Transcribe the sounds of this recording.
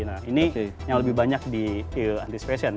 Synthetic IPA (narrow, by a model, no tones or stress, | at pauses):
nainijaŋləbɪɦbaɲak̚diiant̪ispɾesian